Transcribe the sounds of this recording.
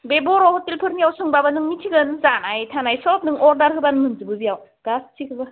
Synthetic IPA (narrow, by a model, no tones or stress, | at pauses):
bebɔɾɔhɔtilpʰɯɾnijawsɯŋbabanɯŋnitʰiɡɯnzanajtʰanajsɔp̚nɯŋɔɾdaɾɦɯbanmɯnzɯbɯzijawɡ̥astʰikʰɯba